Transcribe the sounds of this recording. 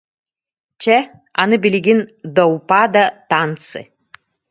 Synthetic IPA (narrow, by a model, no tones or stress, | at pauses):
t͡ʃʰɛ | a̰nɨbilʲiɡʲɪnd̪ɐwpad̪ɐt̪ant͡sɨ̰